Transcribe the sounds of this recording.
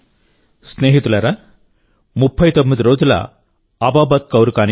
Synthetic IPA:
sneːɦit̪ulɐɾa | mupʰːɐjt̪omːid̪iɾoːd͡ʒulɐ̰ | ɐbaːbɐt̪̚kɐwɾukaːn

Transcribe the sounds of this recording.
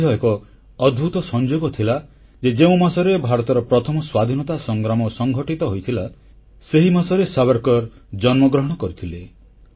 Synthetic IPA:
ɔekɔː | d̪bʱut̪ɔsɔnd͡ʒoɡɔt̪ʰila | d͡ʒed͡ʒeũmasɔɾebʱaɾɔt̪ɔɾɔpɾɔt̪ʰɔmɔswad̪ʱinɔt̪asɔŋɡɾamɔsɔŋɡʱɔʈit̪ɔɦojt̪ʰila | seɦimasɔɾesabaɾkɔɾ | d͡ʒɔnmɔɡɾɔɦɔɽ̃ɔkɔɾit̪ʰile

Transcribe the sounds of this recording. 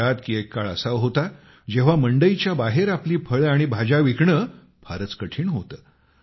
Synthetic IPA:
at̪kiːekːaɭə̰saʋɦot̪a | d͡ʑeʋ̤aməɳɖəjit͡ɕjabaɦeɾapliːpʰəɭaɽ̃ibʱad͡ʑaʋikɳə | pʰaɾət͡skəʈʰiːɳɦot̪əː

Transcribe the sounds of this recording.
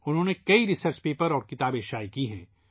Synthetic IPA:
ʊnɦõːnekɐiɾɪsəɾt͡ʃpeːpəɾɔːɾkɪt̪aːbeːʃaːikiɦɛ̰̃ː

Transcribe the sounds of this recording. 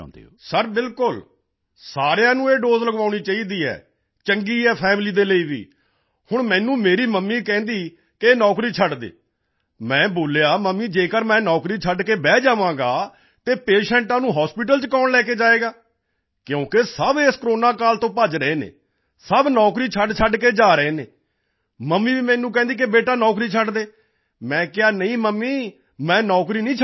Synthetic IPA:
səɾbɪlkʊl | saːɾejãːnũːeːɖoːzləɡaːʊɳiːt͡ʃaːiːd̪iːɛ̰ː | t͡ʃəŋɡiːɛːpʰɛːmliːd̪eːləiːʋḭː | hʊɳmɛ̃ːnũːmeːɾiːməmːiːkɛ̃ːnd̪iː | keeːnɔːkɾiːt͡ʃʰəɖd̪ḛː | mɛ̃ːboːljaːməmːiːd͡ʒeːkəɾmɛ̃ːnɔːkɾiːt͡ʃʰəɖkeːbɛːd͡ʒaːʋãːɡaː | t̪eːpeːʃɛ̃ːɳʈãːnũːɦɔːspɪʈ̬əlt͡ʃkaːnlɛːkeːd͡ʒaːeːɡaː | kjõːkesəbeːskəɾoːnaːkaːlt̪õːpəd͡ʒɾəeːnḛː | səbnɔːkɾiːt͡ʃʰəɖt͡ʃʰəɖkeːd͡ʒaːɾəeːnḛː | məmːiːʋiːmɛ̃ːnũːk̬ɛ̃ːnd̪iːk̬ebeːʈaːnɔːkɾiːt͡ʃʰəɖd̪eː | mɛ̃ːkɪaːnəĩːməmːiː | mɛ̃ːnɔːkɾiːnĩːt͡ʃʰ

